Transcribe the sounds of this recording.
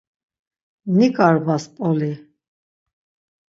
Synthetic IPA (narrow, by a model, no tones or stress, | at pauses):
nikʼaɾbaspʼɔli